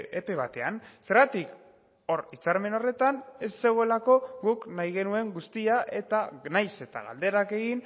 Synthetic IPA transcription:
epe̞β̞at̪e̞anse̞ɾɣat̪ik | o̞ɾit͡saɾme̞no̞re̞t̪ane̞sːe̞ɣ̞o̞e̞lako̞ɣuknajɣ̞e̞nue̞ŋɡust̪iaʔe̞t̪anajse̞t̪a̰ɣa̰ld̪e̞ɾake̞ɣin

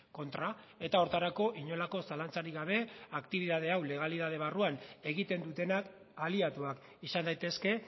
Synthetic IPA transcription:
ko̞nt̪ɾa | e̞t̪ao̞ɾt̪aɾako̞ʔiɲo̞lako̞salant͡saɾiɣaβ̞e̞akt̪iβiðað̞e̞awle̞ɣ̞aliðað̞e̞β̞aruane̞ɣit̪e̞nd̪ut̪e̞nak | aliat̪uak | isand̪ajt̪e̞ske̞

